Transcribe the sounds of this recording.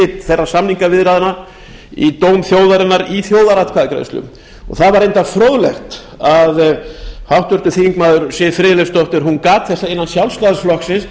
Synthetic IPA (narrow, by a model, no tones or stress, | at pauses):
ɪt̪θɛrːasamniŋkavɪðɾaːðɪna | it̪oːwmθjowðaɾɪnːaɾiθjoːwðaɾat̪kʰaðɪkɾa̰st̪lʏ̰m | ɔ̰ɣθaðvaɾejnt̪afɾoːwðlɛxt̪ | aðhawht̪vʏɾt̪ʏθiiŋkmaːðʏɾsɪfɾɪːlɛfst̪ɔht̪ʏɾɦunkaːt̪θɛst̪aɪnːansjawlst̪aðasflɔksɪns